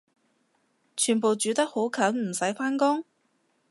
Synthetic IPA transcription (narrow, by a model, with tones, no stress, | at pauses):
t͡ʃʰyː˨˩npo˨wt͡ʃyː˨˥t̪ɐ˥k̚ho˨˥wkʰɐː˨˥nm̩˨˩sɐ˨˥jfaː˥nkʊ˥ŋ